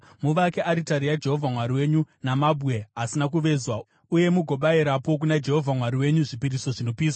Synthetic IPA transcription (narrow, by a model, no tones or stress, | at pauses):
muʋakeʔaɾitaɾijad͡ʒe̞ɦo̞vʱamwaɾiwe̞ɲunamabʱue̞ɦasinak̬uʋe̞zwa | uje̞muɡʱo̞ɓaiɾapo̞k̬unad͡ʒe̞ɦo̞vʱamwaɾiwe̞ɲuʐipiɾiso̞ʐino̞piːswa